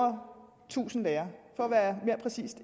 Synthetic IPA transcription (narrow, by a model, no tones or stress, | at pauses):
ɐ | t͡sʰṵːsn̩d̥ɛːɐfɒ̽æʋæːɐme̝ɐpʰʁɛsḭːsd̥